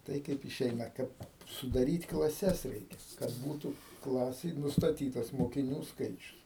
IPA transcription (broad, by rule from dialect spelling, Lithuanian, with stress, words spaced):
ˈtɐɪ ˈkɐɪp ɪˈʃʲɛɪnɐ ˈkɐt sʊdɐˈrʲiːt klˠɐˈsʲɛs ˈrʲɛɪkʲɛ kɐt ˈbuːtuː ˈklˠɑːsʲeːj nʊstɐˈtʲiːtɐs moːkʲɪˈnʲuː ˈskɐɪt͡ʃʲʊs